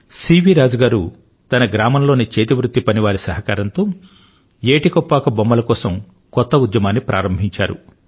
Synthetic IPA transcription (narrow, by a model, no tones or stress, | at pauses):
siːʋiɾaːd͡ʒɐɡaːɾu | t̪ɐnɐɡɾaːmɐmlo̞ːnit͡ʃeːt̪iʋɾut̪ːipɐniʋaːɾisɐɦɐkaːɾɐnt̪oː | eːʈikɔpːaːkɐbɐmːɐlɐkɔːsɐm | kɔt̪ːɐud̪jɐmaːnːipɾʔa̰ːɾɐmbʱiɲt͡ʃa̰ːɾṵ